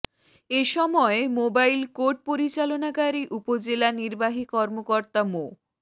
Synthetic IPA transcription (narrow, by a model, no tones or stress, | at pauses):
eʃɔmɔemobailkoɾʈ̚poɾit͡ɕalonaɡaɾiʔupod͡ʑelaniɾbaɦikɔɾmokɔɾt̪amo